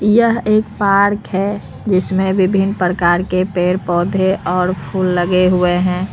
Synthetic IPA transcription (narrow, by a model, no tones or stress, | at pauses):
jəɦeːkpaɾkɦɛ | d͡ʒɪsmẽbɪbʱɪnpɾəkaːɾkepeːɾpɔːd̪ʱeʔɔːɾpʰuːlːəɡeɦʊeɦɛ̃ː